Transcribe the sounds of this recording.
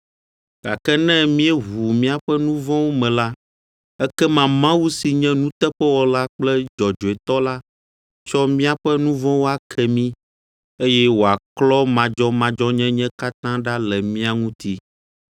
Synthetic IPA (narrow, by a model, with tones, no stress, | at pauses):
ɡ̥a˨kɛ˦nɛ̃˦mĩ˦ɛ˦ɦu˨mĩ˦a˨ɸɛ˦nũ˦vɔ̃˦wo˦mɛ̃˨la˦ | ɛ˦kɛ˦mã˨mã˦wu˦si˨ɲɛ̃˦nũ˦t̪ɛ˦ɸɛ˦wɔ˨la˦k͡plɛ˦d͡ʒɔ˨d͡ʒo˨ɛ˨t̪ɔ˦la˦ | t͡ʃɔ˦mĩ˦a˨ɸɛ˦nũ˦vɔ̃˦wo˦a˦kʰɛ˨mĩ˦ | e˦jɛ˦wo˨a˨klɔ˦mã˨d͡ʒɔ˦mã˨d͡ʒɔ˦ɲɛ̃˦ɲɛ̃˦ka˦t̪ã˦ɖa˦lɛ˨mĩ˦a˨ŋũ˦t̪i˦